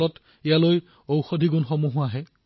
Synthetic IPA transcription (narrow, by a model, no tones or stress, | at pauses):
ɔt | ɛjaloj | owxodʱiɡunxɔmuɦʊaɦɛ